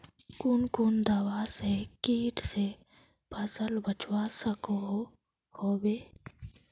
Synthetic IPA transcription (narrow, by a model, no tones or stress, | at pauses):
kʊnkʊnd̪əwasekiːʈse | bəsəlbət͡ʃwasəkoɦo | hoːweː